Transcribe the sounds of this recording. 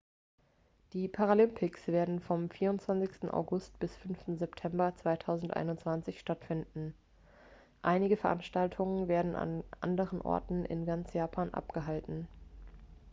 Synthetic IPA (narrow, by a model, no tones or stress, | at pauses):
d̥iːpʰaʁalɪmpʰɪksv̥eːɐdn̩fɔmfiːɐʁʊntt͡sv̥ant͡sɪçstn̩ʔa̰ʊɡʊstb̥ɪsfʏnftn̩zɛptʰɛmbɐt͡sv̥aɪtʰaʊzn̩tʔa̰ɪnʊnt͡sv̥ant͡sɪçʃtatfɪndn̩ | ʔaɪnɪɡəfɛɐʔanʃtaltʰʊŋənveːɐdn̩a̰nʔa̰ndəʁənʔɔ̰ɐtn̩ʔɪ̰nɡant͡sjaːpʰaːnʔa̰pɡ̥əɦaltn̩